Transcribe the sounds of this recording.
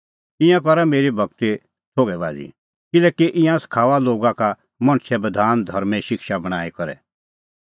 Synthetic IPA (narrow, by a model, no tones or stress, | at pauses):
ɪ̃jãkɔɾameːɾibʱɐɡ̚t̪e | tʰoːɡɛba̰ːd͡zḭ | kɪlɛːkiʔɪ̃jãskʰaːʋaloːɡaka | mɐ̃ɽ̃sʰɛbɐd̪ʱaːnd̪ʱɐɾmɛʃɪkʃabɐɽ̃aːikɐɾɛ̰